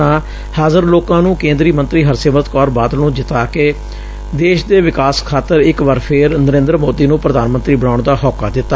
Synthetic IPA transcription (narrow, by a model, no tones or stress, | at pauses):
ãː | haːzəɾloːkãːnũːkẽːnd̪ɾiːmə̃nt̪ɾiːɦəɾseːmət̪kɔːɾbaːd̪nũːd͡ʒɪt̪aːkeː | d̪eːʃd̪eːʋɪkaːskʰaːt̪əɾɪkʋəɾpʰɪɾnəɾẽːnd̪ɾəmoːd̪iːnũːpɾəd̪aːnmə̃nt̪ɾiːbəɽ̃ãːʊɳd̪aːɦɔːkaːd̪ɪt̪ːaː